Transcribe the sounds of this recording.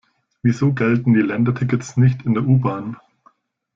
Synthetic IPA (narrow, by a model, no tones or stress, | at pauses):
viːzoːɡɛltn̩d̥iːlɛndɐtʰɪkətsnɪçtʰɪndeːɐʔuːbaːn